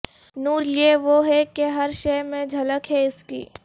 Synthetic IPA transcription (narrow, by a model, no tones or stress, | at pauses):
nuːɾlieʋoɦɛkeɦɐɾʃeɪmẽd͡ʒʱɐləkɦɛɪskḭː